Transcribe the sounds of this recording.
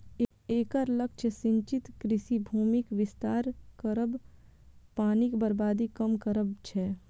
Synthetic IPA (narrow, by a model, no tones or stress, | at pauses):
eːkəɾləkt͡ʃʰəsɪ̃ɲt͡ʃit̪kɾɪsibʱuːmikʋɪst̪aːɾkəɾəb | paːnikbəɾbaːd̪ikəmkəɾəbt͡ʃʰɛ